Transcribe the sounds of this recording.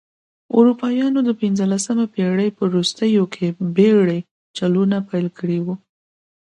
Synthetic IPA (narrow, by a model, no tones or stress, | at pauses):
ṵɾupɑjɑnod̪əpinzəlasamapeɽəjpəɾust̪əjokʰebeɽəj | t͡ʃalunapajlkʰəɽiwu